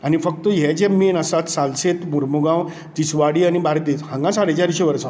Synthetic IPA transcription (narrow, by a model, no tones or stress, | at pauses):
añifək̚t̪əjɛd͡ʑɛmenəsat̪salset̪muɾmuɡãw | t̪isʋaɽiːañibaɾt̪ihãŋɡãsaɽ̤et͡ɕaɾɕeʋəɾsã